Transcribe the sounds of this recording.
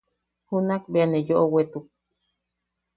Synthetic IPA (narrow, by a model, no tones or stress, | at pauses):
hunakbeanejoʔowet̪uk̚